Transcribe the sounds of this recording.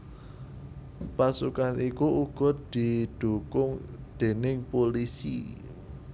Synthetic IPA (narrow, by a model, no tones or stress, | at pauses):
pasukanʔikuʔuɡ̥ɔ̤t̪̚d̪̥i̤d̪̥ṳkʊŋd̪̥e̤nɪŋpolisḭ